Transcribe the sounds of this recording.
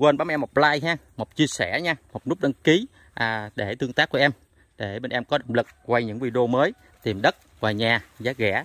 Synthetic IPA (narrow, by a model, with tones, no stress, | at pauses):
kwe˧nɓaː˨˦m˧ʔɛ˧mhɔ˨˩k͡p̚laː˧jɦaː˧mo˨˩k͡p̚t͡ɕi˧əsɛ˧˩ɲa˧mo˨˩t̚nu˦˥k͡p̚ɗə˧nki˨˦ | ʔaː˨˩ɗe˧˩t̪ɨ˧əŋt̪aː˦˥kːu˧˩əʔɛ˧m | ɗe˧˩ɓe˨˩nʔɛ˧mkɔ˨˦ɗo̰˧˨wŋ͡mlɨ˨˩k̚kwa˧jɲɨ̰˧˥ŋvi˧ɗo˧məː˨˦j | t̪i˨˩mɗə˦˥t̚ | vaː˨˩ɲaː˨˩zaː˨˦˥k̚ɣɛ̰˧˩˥